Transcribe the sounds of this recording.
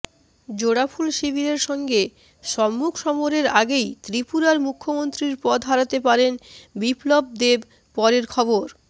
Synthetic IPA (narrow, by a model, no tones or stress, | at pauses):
d͡ʑoɽapʰulʃibʱiɾeɾʃɔŋɡe | ʃɔmːukʰʃɔmoɾeɾaɡejt̪ɾipuɾaɾmukʰːomont̪ɾiɾpɔd̪ʱɦaɾat̪epaɾenbiplob̚d̪eb | pɔɾeɾkʰɔboɾ